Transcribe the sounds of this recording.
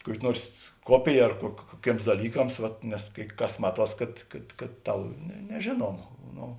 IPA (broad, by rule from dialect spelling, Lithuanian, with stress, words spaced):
ˈkuɔkʲɪ ˈnuɔrs ˈkuɔpʲɪjɛ ɐr kuɔ kuɔˈkʲeːms dɐˈlʲiːkɐms ʋɐt nʲɛs kɐɪ ˈkɐs ˈmɑːˌtuɔs ˈkɐt kɐt kɐt ˈtɐʊ nʲɛ nʲɛˈʒʲeːnuɔmɐ ˈnoː